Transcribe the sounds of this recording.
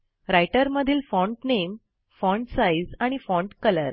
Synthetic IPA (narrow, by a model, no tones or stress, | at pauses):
ɾajʈəɾməd̪ʱiːlfɔɳʈnem | fɔɳʈsaid͡zaɽ̃ifɔɳʈkələɾ